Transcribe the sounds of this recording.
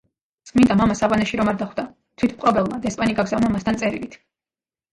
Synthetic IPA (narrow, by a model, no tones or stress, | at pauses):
t̪sʼqʼmind̪amamasavanɛʃiɾɔmaɾd̪aχwd̪a | t̪ʰwit̪ʰmqʼɔbɛlˠmad̪ɛspʼaniɡaɡzavnamast̪ʰant̪sʼɛɾḭlit̪ʰ